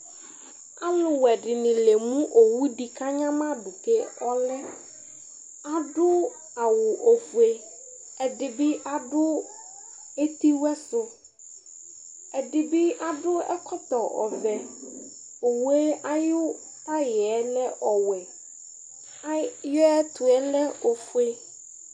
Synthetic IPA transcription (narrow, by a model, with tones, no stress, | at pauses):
a˦lʊ˨wɛ˨dɪ˨nɪ̃˨le˨mũ˦ʔo˨wu˦di˨ka˦ɲã˦mã˦dʊ˨ke˦ɔ˦lɛ˦ | a˨dʊ˦ | a˨wʊ˨ʔo˨fu˨e˦ | ɛ˨dɪ˨bɪ˦ʔa˨dʊ˦ | e˦t̪i˦wɛ˦sʊ˦ | ɛ˨ɖɪ˨bɪ˦ʔa˨ɖʊ˦ɛ̰˦kʰɔ˦t̪ɔ˨ɔ̰˨vɛ˨ | o˨wɛ˦a˦jʊ˦ | pa˦jɪ˨ɛ˦lɛ˦ʔɔ˨wɛ˨ | a˦jʊ˦ɛ˦t̪ʊ˨ɛ˦lɛ˦o˨fu˦e˦